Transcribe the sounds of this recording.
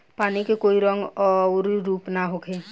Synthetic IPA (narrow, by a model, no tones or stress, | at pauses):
panikekoiɾɔŋɡɔɾiɾupnaɦokʰe